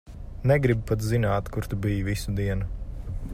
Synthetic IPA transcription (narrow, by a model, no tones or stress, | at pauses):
nɛɡɾib̚pat̪zinaːt̪kuɾt̪ubijvisud̪iɛnu